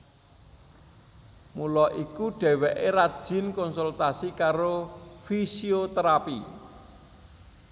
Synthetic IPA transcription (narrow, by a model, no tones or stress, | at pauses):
mulɔʔikuɖ̥ɛ̤wɛʔeɾad̥ʒ̥ɪ̤nkɔnsult̪asikaɾofisiot̪əɾapi